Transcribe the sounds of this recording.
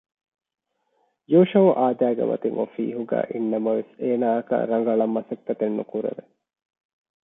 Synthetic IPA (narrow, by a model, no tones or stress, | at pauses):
joːʃɐʔaːd̪æːɡḛmɐ̰t̪iŋofḭːɦuɡæ̰ːʔinːɐmɐʋeseːnaːɐkɐ̰ɾɐŋɡɐɭɐmːɐsɐk̪ːɐt̪enːukuɾḛʋe